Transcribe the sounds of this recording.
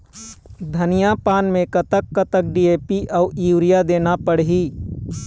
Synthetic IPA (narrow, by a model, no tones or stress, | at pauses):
d̪ʱənijapaːnmẽkət̪əkːət̪ək̚ɖieːpiʔaʊuːɾijad̪eːnapəɽɦiː